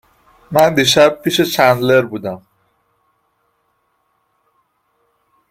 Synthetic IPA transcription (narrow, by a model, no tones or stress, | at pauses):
mand̪iʃab̚pʰiʃet͡ʃʰanleɾbud̪am